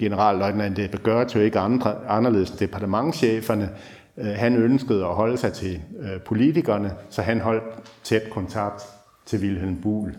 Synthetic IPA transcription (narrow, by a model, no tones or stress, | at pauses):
ɡ̥e̝nəʁɑ̰̈ːlːɒɪd̥nænd̥eb̥eɡ̥ɶɐt͡sʰoe̝ɡ̥ən̥ɑ̈nɐle̝ð̞̩̰ˠsd̥e̝pʰɑ̈dəmɑ̈ŋɕeːfɐnə | ɦænønsɡ̥əð̞̩ˠɒ̽ɦɒ̽ləsɑ̈ɪt͡sʰe̝pʰo̝lit͡sʰiɡ̥ɐːnəsɒ̽ɦænɦɒ̽l̰d̥̚t͡sʰed̥kʰɒ̽nt͡sʰɑ̈ɡ̥̚d̥ | t͡sʰe̝ʋilɦelmb̥ṵːl